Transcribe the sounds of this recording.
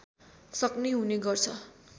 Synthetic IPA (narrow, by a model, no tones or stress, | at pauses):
sʌkneɦuneɡʌrt͡sʰʌ